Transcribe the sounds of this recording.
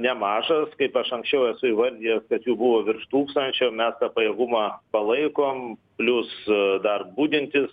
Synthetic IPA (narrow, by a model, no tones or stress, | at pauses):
nʲɛmɑːʒɐskɐɪpɐʃɐŋksʲt͡ʃʲɛʊɛsʊɪʋɐɾʲd̪ʲiɛskɐt̪juːbʊʋoːʋʲɪrʃt̪uːkst̪ɐnʲt͡ʃʲomʲɛst̪ɐpɐjeːɡʊmɑːpɐlˠɐɪkoːmpʲlʲʊsd̪ɐrbuːd̪ʲɪnʲt̪ʲɪs